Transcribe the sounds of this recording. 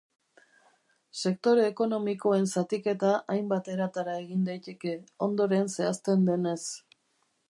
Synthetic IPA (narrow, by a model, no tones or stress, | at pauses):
se̞k̚t̪o̞ɾeːko̞no̞miko̞e̞nsat̪ike̞t̪aʔajmbat̪e̞ɾat̪aɾae̞ɣind̪ajt̪e̞ke̞o̞nd̪o̞ɾe̞nse̞ast̪e̞nd̪e̞ne̞s